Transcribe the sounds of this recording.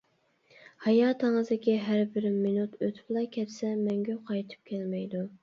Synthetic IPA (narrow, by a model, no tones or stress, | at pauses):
hɑjɑːt̪ʰəŋəzd̪ɪkʲiɦæɾbɪɾmɪnut̪ʰøt̪ʰblˠɑkʲʰɛt̪sɛmɛŋɡʲyqʰɑjt̪ʰɨ̥p̚kʲʰɛlmɛjd̪u